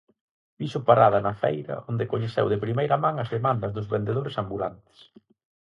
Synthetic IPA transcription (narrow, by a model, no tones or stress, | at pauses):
biʃʊpaɾaðɐnɐfḛjɾɐ̰ʔond̪ekoɲeθɛ̰wðɪpɾimejɾɐmãŋɐzðemãnd̪ɐzðʊzβend̪eðoɾesambula̰nt̪ɪ̥s